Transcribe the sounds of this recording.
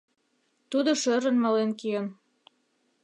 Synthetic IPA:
t̪ud̪oʃøɾə̆nmɑlenkijən

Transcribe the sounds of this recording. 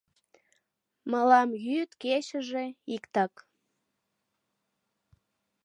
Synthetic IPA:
məlɑmjyt̪ket͡ɕəʒe̽ikt̪ɑk

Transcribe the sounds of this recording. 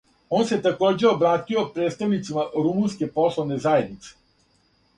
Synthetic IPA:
onset̪akod͡ʒɛobɾaːt̪iot̪̚pɾet̪st̪avnit̪simaɾumunskʲeposlˠoʋnezaed̪nit̪se̥

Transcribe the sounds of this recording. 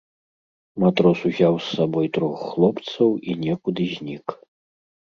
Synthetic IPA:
mat̪ɾɔsuzʲawsːabɔjt̪ɾɔxːlˠɔpt̪sɐwinʲɛkud̪ɨzʲnʲik

